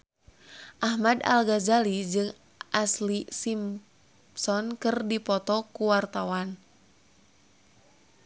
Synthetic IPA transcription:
ʔahmada̰lɡazalid͡ʒɨŋ | ʔaslisim | sɔnkɨrdipɔt̪ɔkuwart̪awan

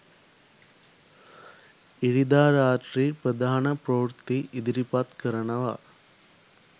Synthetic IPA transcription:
iɽid̪aːɾaːʈɾiːpɾəd̪aːɦɳɐpɾoʋɾt̪ːiʔid̪iɾipat̪kəɾɐnɐʋa

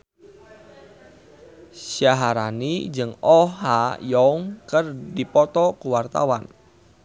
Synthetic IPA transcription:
sjaɦaɾanid͡ʒɨŋɔajɔŋkərdipɔt̪ɔkuwart̪a̰wan

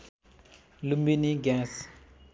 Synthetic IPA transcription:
lumbiniɡɛ̃s

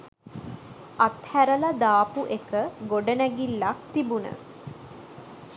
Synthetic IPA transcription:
at̪hæɾələd̪aːpuʔekəɡoɖənæɡilːak̚t̪ibunə̰

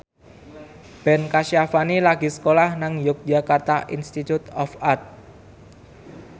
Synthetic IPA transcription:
b̥ɛnkaʃiafanilaɡi̤sə̥kolahnaŋjʊk̚d͡ʒakart̪aʔinst̪it̪ut̪ɔfart̪̚

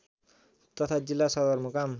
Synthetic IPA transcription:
t̪ʌt̪ʰad͡zilːasʌd̪ʌrmukam

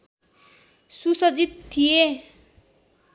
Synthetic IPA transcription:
susʌd͡zit̪ʰːije

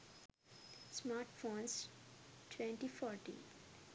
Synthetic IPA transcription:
smaːɾʈfõːnsʈʰʋɛ̃ɳʈifɔːɾʈḭ̃ːn

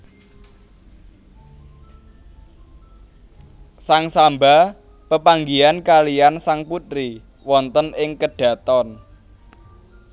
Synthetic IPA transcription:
saŋsamba | pəpaŋɡiankaliansaŋput̪ɾi | wɔnt̪ənɪŋkəɖ̥ä̤t̪ɔn

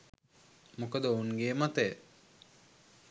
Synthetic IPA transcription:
mukəd̪əounɡeːmat̪ə

